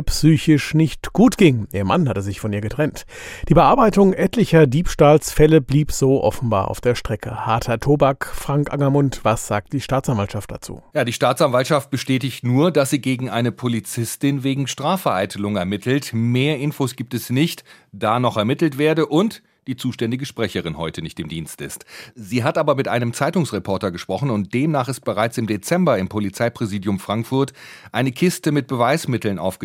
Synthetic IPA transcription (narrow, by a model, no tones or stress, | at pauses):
ɐpsyːçɪʃnɪçtɡ̥uːtɡ̥ɪŋʔiːɐma̰nhatəzɪçfɔnʔiːɐɡətʁ̥ɛnt | d̥iːbəʔaɐbaɪtʊŋʔɛtʰlɪçɐdiːpʃtaːlsfɛləbliːpz̥oːʔɔ̰fn̩ba̰ːɐʔa̰ʊfd̥eːɐʃtʁ̥ɛkəhaɐtʰɐtʰoːbakfʁ̥aŋkʔa̰ŋɐmʊntv̥asz̥a̰ːk̚t̚d̥iːʃtaːt͡sanvalʃaft̚d̥a̰t͡sṵːjaːdiːʃtaːt͡sanvaltʃaft̚b̥əʃtɛːtɪçtnuːɐdasz̥iːɡeːɡŋ̩ʔaɪnəpʰolit͡sɪstɪnveːɡŋ̩ʃtʁ̥aːfɛɐʔa̰ɪtʰəlʊŋɛɐmɪtʰl̩tmeːɐʔɪnfoːsɡ̥iːp̚tɛsnɪçt | d̥aːnɔχɛɐmɪtl̩tv̥eːɐdəʔʊnt | d̥iːt͡suːʃtɛndɪɡəʃpʁ̥ɛçəʁɪnhɔʏtʰənɪçtɪmdiːnstɪ̰stz̥iːɦatʔaːbɐmɪtʔa̰ɪnəmt͡saɪtʊŋsʁɛpʰɔɐtɐɡəʃpʁ̥ɔχn̩ʊnt̚d̥eːmnaːχɪst̚b̥əʁaɪt͡sɪmdet͡sɛmbɐɪmpʰolit͡saɪpʁ̥ɛziːdjʊmfʁ̥aŋkfʊɐtʔaɪnəkʰɪstəmɪt̚b̥əvaɪsmɪtl̩nʔa̰ʊfɡ̥ə